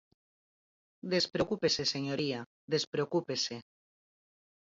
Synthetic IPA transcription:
d̪espɾeokupeseseɲoɾia | ðe̞spɾeokupese

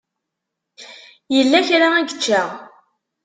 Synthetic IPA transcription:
jəlːæçɾaæɡət͡ʃːaʁ

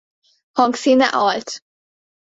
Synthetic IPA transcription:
hɔŋksinaʔɔlt̪

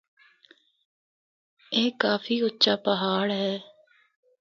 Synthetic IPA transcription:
eːkaːfʰiːʊtːʃaːpəɦaːɽɦɛː

